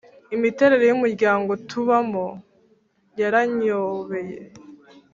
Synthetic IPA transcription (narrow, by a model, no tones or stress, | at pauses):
imite̞ɾe̞ɾe̞jumuɾɟaːŋɡo̞tʰuβamo | jaɾaɲoβe̞je